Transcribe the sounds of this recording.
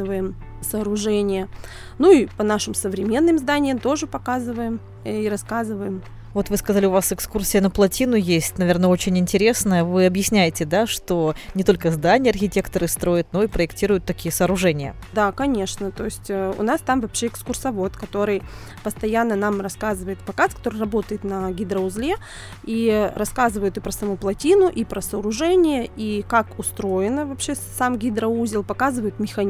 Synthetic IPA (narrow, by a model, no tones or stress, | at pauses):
ɨvəjɪm | sɐːɾʊʐɛnʲɪjə | nuipənaʂɨmsəvɾʲɪmʲe̞nːɨmzd̪anʲɪjəmt̪o̞ʐɨpɐkazɨvəjɪm | iɾɐskazɨvəjɪm | vo̞t̪vɨskɐzalʲɪʊvasɨkskursʲɪjənəplˠɐtʲinʊjesʲtʲnɐvʲe̞rnəot͡ɕɪnʲɪnʲtʲɪɾʲe̞snəjəvɨɐbjɪsʲnʲæjɪtʲɪd̪aʂt̪o̞nʲɪt̪o̞lʲkəzd̪anʲɪjəɐrxʲɪtʲe̞kt̪əɾɨst̪ɾo̞jɪt̪̚no̞ipɾəɪktʲiɾʊjʊt̪ːɐkʲijəsəɐːɾʊʐɛnʲɪjə̰ | d̪akɐnʲe̞ʂnət̪o̞ɪsʲtʲːʊ̰nast̪amvɐpɕeɪkskʊrsɐvo̞t̪kɐt̪o̞ɾɨj | pəst̪ɐjanːənamrɐskazɨvəjɪt̪pɐkaskɐ̥t̪o̞ɾɨrɐbo̞t̪əjɪt̪nɐɡʲɪd̪ɾəʊzlʲe | iɾɐskazɨvəjʊt̪ɨpɾəsɐmuplˠɐtʲinʊʔipɾʔəsɐːɾʊʐɛnʲɪjəikakʊst̪ɾo̞jɪnəvɐpɕesamɡʲɪd̪ɾɐuzʲɪlˠpɐkazɨvəjɪt̪mʲɪxɐnʲ